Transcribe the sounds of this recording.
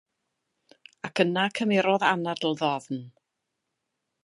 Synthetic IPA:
akʰənakʰəmɪɾɔðanadl̩ˠðɔðn

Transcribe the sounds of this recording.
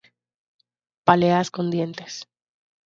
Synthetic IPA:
paleasko̞nd̪je̞nt̪e̞̥s

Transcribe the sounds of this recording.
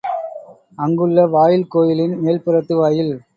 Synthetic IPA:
ɐŋɡɯɭːɐʋaːjɪlkoːjɪlɪnmeːlpɪɾɐt̪ːɯʋaːjɪl

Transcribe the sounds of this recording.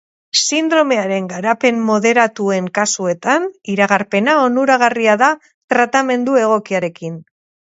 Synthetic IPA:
sind̪ɾo̞me̞aɾe̞ŋɡaɾape̞mmo̞ðe̞ɾat̪ue̞ŋkasue̞t̪aniɾaɣaɾpe̞nao̞nuɾaɣ̞ariaða | t̪ɾat̪ame̞nd̪ue̞ɣ̞o̞kiaɾe̞kin

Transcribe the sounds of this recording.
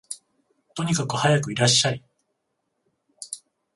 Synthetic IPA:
t̪o̞ɲ̟ikakɯ̟hajakɯ̟iɾaɕːaɾi

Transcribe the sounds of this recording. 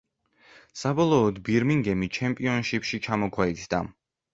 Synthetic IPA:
sabɔlˠɔːd̪biɾmiŋɡɛmit͡ʃʰɛmpʼiɔnʃipʃit͡ʃʰamɔkʰwɛit̪ʰd̪a̰

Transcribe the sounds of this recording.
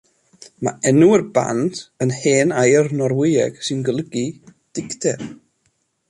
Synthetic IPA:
ma̰ɛnuərba̰ntənheːnajrnɔrwɪjɛ̰ɡ̥sɨnɡəlˠəɡid̥ɪktʰɛr

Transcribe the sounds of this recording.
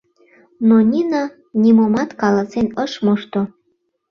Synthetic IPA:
nonʲinɑ | nʲimomɑt̪kɑlɑsenəʃmoʃt̪o

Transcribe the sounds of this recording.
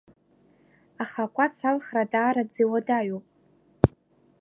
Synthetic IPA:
aχakʷʼasʰalχradaːɾad͡ziwadaɥopʼ

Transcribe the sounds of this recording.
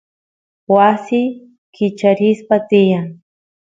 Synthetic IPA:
wasɪ | kɪt͡ʃaɾɪspat̪ɪjaŋ

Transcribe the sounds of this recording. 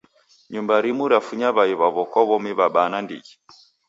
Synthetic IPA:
ɲumbaɾimuɾafuɲaβaiβaβɔkɔβɔmiβaɓanandḭɣi

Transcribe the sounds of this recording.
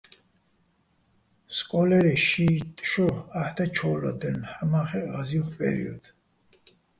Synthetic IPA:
skʼɔlɛɾɛʃiːt̪ʼʃɔaħt̪ʰat͡ʃʰɔlɔ̰d̪ənħamaχɛʁaziuχpʼɛ̰ɾḭɔ̰d̪̥

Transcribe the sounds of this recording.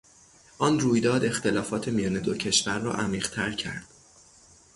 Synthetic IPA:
ʔɒːnruːjd̪ɒːd̪e̞xt̪e̞lɒːfɒːt̪ʰe̞mijɒːne̞d̪ocʰe̞ʃvæɾːɒ̰ːʔæmiːʁt̪ʰæɾcʰæ̰ɾd̪̥

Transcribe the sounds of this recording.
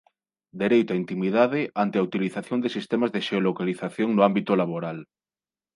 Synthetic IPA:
d̪eɾejt̪aint̪imiðaðɪʔant̪ɪaut̪iliθaθjond̪esist̪ɛmazðeʃeolokaliθaθjoŋnʊambit̪ʊlaβoɾal

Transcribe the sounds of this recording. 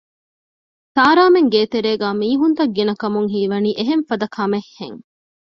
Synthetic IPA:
saːɾaːmeŋɡeːt̪eɾeːɡæːmiːɦunt̪ɐɡːinɐkɐmuŋɦiːʋɐniːʔeɦeɱfɐd̪ɐkʰɐmehːḛŋ

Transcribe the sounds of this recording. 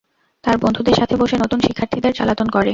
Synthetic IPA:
t̪aɾbond̪ʱud̪eɾʃat̪ʰeboʃenot̪unʃikʰːaɾt̪ʰid̪eɾt͡ɕa̰lat̪onkoɾe

